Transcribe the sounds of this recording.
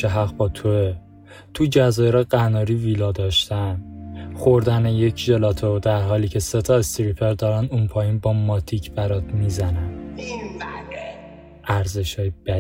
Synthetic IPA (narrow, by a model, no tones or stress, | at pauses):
eɦæɣbɒːt̪ʰoe | t̪ʰud͡ʒæzɒːjeɾɒːɢænɒːɾiːviːlɒːd̪ɒːʃt̪ænxoɾd̪ænejecʰʒelɒt̪ʰod̪æɾɦɒːliːcʰe̞set̪ʰɒːest̪iɾipʰeɾd̪ɒːɾænd̪unpʰɒːjiːnbɒːmɒːt̪ʰicʰbæɾɒt̪miːzænæn | ʔæɾze̞ʃhɒːjebæ